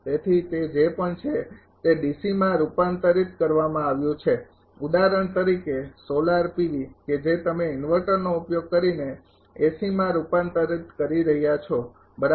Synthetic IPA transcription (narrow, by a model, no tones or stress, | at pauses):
t̪et̪ʰit̪ed͡ʒepəɳt͡ʃʰe | t̪eɖisimãɾupant̪əɾit̪kəɾʋamãaʋjũt͡ʃʰe | ud̪aɾəɳt̪əɾikesolaɾpiʋiked͡ʒet̪əmeɪnʋəɾʈəɾnoupjoɡ̚kəɾine | esimãɾupant̪əɾit̪kəɾiɾəɦjat͡ʃʰo | bəɾa